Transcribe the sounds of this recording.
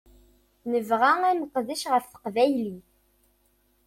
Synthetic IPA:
nəvʁæænəqðiʃʁəfθə̥qvæjli

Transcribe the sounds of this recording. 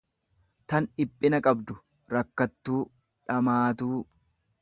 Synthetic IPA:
t̪ɐnᶑɪpʼːɪnɐkʼɐbd̪ʊ | ɾɐkːɐt̪ːuː | ᶑɐmaːt̪uː

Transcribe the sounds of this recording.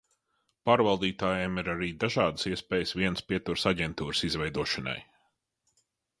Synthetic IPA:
paːɾvalˠd̪iːt̪aːjɛmiɾaɾiːd̪aʒɑːd̪ə̥siɛspɛːjəsviɛnspiɛt̪uɾsaɟʲɛnt̪uːɾsizvɛjd̪uɔʃɐna̰j

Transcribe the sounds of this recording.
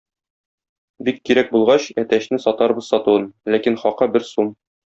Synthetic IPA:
bikːiɾæk̚bulˠʁɑɕæt̪æɕnɘsɒt̪ɑɾbɤz̥sɒt̪uwɤnlækinχɒqɤbɘɾsum

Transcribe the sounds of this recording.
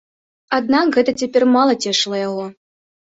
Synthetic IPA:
ad̪̚nakɣɛt̪ɐt͡sʲapʲɛrmalˠɐt͡sʲɛʂlˠɐjaɣɔ

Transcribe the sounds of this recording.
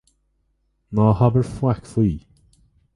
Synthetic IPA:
naːhabəɹflakfiː

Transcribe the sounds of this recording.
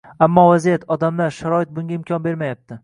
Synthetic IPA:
amːɒvazijat̪ʰɒd̪amlaɾʃaɾɒɪt̪̚bʊŋɡʲaɪmkʲʰɒnbe̞ɾmajap̚t̪ʰɪ

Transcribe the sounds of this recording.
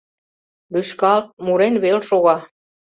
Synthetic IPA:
lyʃkɑlt̪̚muɾenβelʃoɣɑ

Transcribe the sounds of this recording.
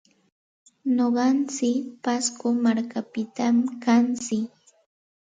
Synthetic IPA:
noɢɑnt͡sɪpaskomaɾkapɪt̪amkant͡sɪk

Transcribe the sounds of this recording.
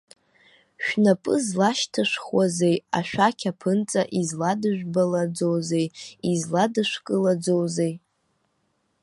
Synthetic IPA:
ʃᶣnapʼɨ̰zlaʃtʰɨʂχwaze̞ja̰ʃᶣakʲʰapʰɨnt͡sʼaʔizladɨʒᶣʷbalad͡zo̞wze̞jizladɨʂkʼɨlad͡zowzej

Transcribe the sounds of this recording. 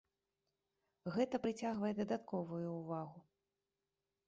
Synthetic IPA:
ɣɛt̪ɐpɾɨt͡sʲaɣvɐjɛd̪ɐd̪at̪kɔvujuːvaɣu

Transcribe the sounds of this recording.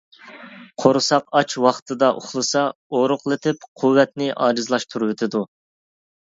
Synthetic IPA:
qʰoɾsɑqɑt͡ʃwɑχt̪ʰɨd̪ɑʔo̰χlˠɨsɑoɾʊqlˠɨt̪ʰɪpqʰuwːɛt̪nɪʔɑ̰ːɾɨzlˠɑʃt̪ʰuɾuwɪt̪ʰɪd̪u

